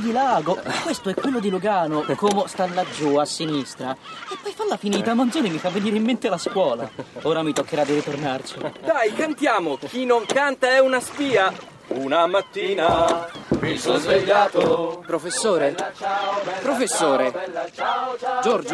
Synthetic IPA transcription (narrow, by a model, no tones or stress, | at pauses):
d̪ilaːɡokwest̪oɛkːwelːod̪iluɡaːnokomost̪alːad͡ʒːuasːinist̪ɾaepːɔjfalːafiniːt̪amːand̪zoːnimifavːeniːɾeimːent̪ealːaskwɔːla̰oːɾamit̪okːeɾad̪iɾit̪ornart͡ʃid̪ajkant̪jaːmok̟inoŋkant̪aɛunaspiːa | unamat̪ːiːnamisozeʎːat̪opɾofesːoːɾe | pɾofesːoːɾe | d͡ʒoɾd͡ʒo